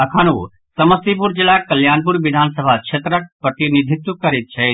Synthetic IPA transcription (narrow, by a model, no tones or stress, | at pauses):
ɐkʰanṵ | sɐməst̪ip̬uɾd͡ʒɪlaːkɐljaːnpuɾʋɪd̪ʱaːnsəbʱakt͡ʃʰeːt̪ɾək̚pɾɐt̪inid̪ʱit̪wukːɐɾit̪̚t͡ʃʰɛ